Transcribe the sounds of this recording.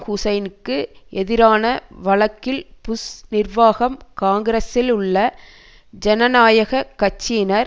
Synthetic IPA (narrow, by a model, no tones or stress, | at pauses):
hʊsɐɪnɯkːɯʔɛðɪɾaːnɐʋɐɭɐkːɪlpʊsnɪrʋaːɣɐmkaːŋɡɪɾɐsɪlʊɭːɐ | d͡ʒɛnɐnaːjɐɣɐkɐt͡ʃːɪnɐɾ